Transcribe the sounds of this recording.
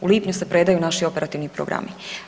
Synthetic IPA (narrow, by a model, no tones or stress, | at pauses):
uliːpɲuse̞pɾe̞d̪ajunaʃio̞pe̞ɾat̪iʋnipɾo̰ɡɾa̰mi